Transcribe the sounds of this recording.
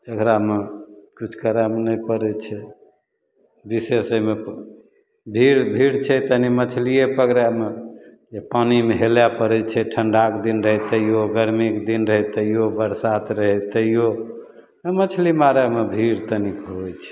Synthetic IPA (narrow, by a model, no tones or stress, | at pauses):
d͡ʒəkɾamekut͡ʃʰkəɾamnəpəɾɛt͡ʃʰɛ | bisesəme | bʱiɾbʱiɾt͡ʃʰɛt̪ənimət͡ʃʰlijepəkɾamed͡ʒepanimeɦeljapəɾɛt͡ʃʰɛʈʰəɳɖakd̪inɾəɦɛt̪əjjoɡəɾmikd̪inɾəɦɛt̪əijobəɾsat̪ɾəɦɛt̪əijo | mət͡ʃʰlimaɾamebʱiɾt̪ənikɦojt͡ʃʰɛ̥